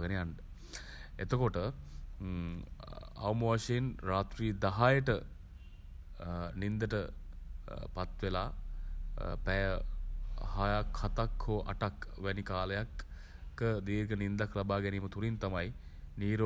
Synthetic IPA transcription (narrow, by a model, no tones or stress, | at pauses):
ɡənejaɳɖə | et̪əkoʈə | a̰wmoʋaʃeinɾaːt̪ɾiːd̪aɦajəʈə | nind̪əʈə | pat̪ʋelaː | pɛjə | hajakʰhat̪akhoːʔa̰ʈakʋænikaːləjakː | əd̪iːɾɡənind̪aklabaːɡɛniːmət̪uɾint̪amaj | niːɾo